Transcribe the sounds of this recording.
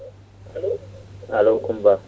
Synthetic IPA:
halowkʊmba

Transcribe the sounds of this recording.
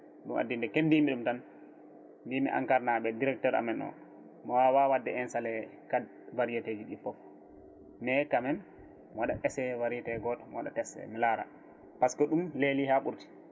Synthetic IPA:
ɗuma̰dːindɛkendimiɗumtan | dimiʔa̰ŋkaɾnaɓɛdiɾɛk̚tɔɾa̰mɛnɔ̰ | mɔwawawadːɛɛnsalɛkad | vaɾijated͡ʒiɗifɔf | mɛkamɛn | mɔwaɗaʔɛsɛvaɾijatɛɡɔtɔmwaɗatɛsɛ̰milaɾa̰ | paskɔɗumlelihaɓuɾti̥

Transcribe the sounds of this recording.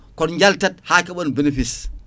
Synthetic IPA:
kɔnɲd͡ʒaltat̚hakɛɓɔnbinefis

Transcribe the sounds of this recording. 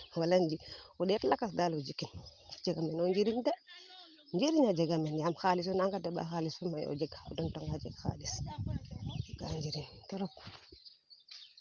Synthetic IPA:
waland͡ʒiɔɗɛtlakas̬dalɔd͡ʒikːind͡ʒɛɡamɛnɔɲd͡ʒiɾiɲda | ɲd͡ʒiɾiɲad͡ʒɛɡamɛnjamxalis̬ɔnaŋɡadaba̰xalisfumajɔ̰d͡ʒɛɡɔ̰dɔntaŋɡad͡ʒɛ̰ɡxa̰lis | ɡa̰ɲd͡ʒiɾintɔɾɔk

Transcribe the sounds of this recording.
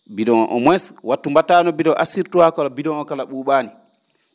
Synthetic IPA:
biɗɔŋɔ̰ʔɔ̰mwɛswatːumbatanɔbiɗɔʔasiɾtuhakɔlɔbiɗɔŋɔkalaɓuɓaːni

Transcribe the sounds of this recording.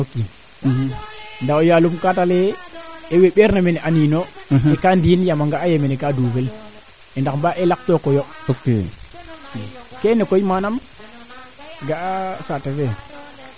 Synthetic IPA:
oki | ndaojalumkataleeweɓeɾnamenʔaninoekandinjamaŋɡaːjemenekaduːvel | endakmbaʔelak̚tokojookḛokekenekoimanam | ɡasateve

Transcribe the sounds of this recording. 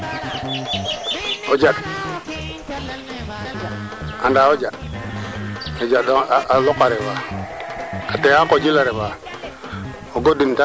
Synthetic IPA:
od͡ʒad | andaod͡ʒad | od͡ʒadaalokaɾeba | kateakod͡ʒilaɾeba | oɡodimta

